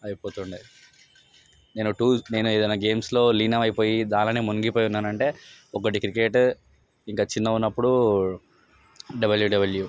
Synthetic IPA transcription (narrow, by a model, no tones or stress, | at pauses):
ɐjipoːt̪uɳɖi | ne̞ːnuʈuːne̞ːnued̪ɐjnːaːɡe̞ːmslo̞ːliːnɐʋɐjpo̞ːjid̪aːlɐneːmunɡipoːjunːaːnɐɳʈe̞ːɔkɐʈ̬ikɾike̞ːʈ | iŋkaːt͡ʃinːɐunːɐpːuɽu | ɖɐbɐljuɖɐbɐlju